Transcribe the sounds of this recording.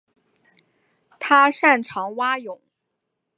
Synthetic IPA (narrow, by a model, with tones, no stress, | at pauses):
t̪ʰa˥ʂa˥˩nʈ͡ʂʰɑ˧˥ŋwa˥jʊ˨˩˦ŋ